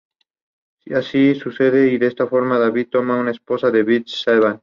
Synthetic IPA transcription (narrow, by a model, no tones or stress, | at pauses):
iasisuseðeiðest̪afoɾmaðaβit̪ːomaunaesposaðeβisaβan